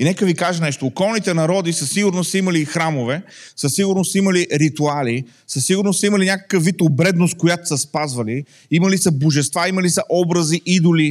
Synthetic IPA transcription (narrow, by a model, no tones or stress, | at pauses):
inɛkəvikaʒənɛʃt̪oːkɔlˠnit̪ɛnɐɾɔd̪isɐsiɡʊɾnosimɐlixɾamovɛ | səsiɡʊɾnosimɐliɾit̪uali | səsiɡʊɾnosɐiməlinʲakə̥kəfvit̪obɾɛd̪nost̪̚kojat̪o̥sɐspazvɐli | imɐlisɐboʒɛst̪vaiməlisɐʔɔbɾɐziʔid̪ʊli